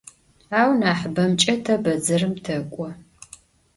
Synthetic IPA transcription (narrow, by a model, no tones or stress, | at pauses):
aːwnaːħbɐmt͡ʃʼɐtʰɐbɐd͡zɐrɨmtʰɐkʷʼɔ